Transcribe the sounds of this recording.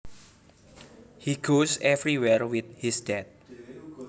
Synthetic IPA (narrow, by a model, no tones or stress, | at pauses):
hiɡosɛvɾiwɛɹwɪt̪̚hisd̥ɛt̪̚